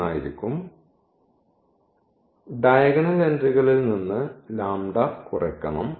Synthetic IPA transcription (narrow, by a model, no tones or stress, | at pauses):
aːjiɾikʲːum | ɖɐjɐɣɐɳɐlendriɣɐɭilninːɨlaːmɖɐkurɐkːɐɳɐm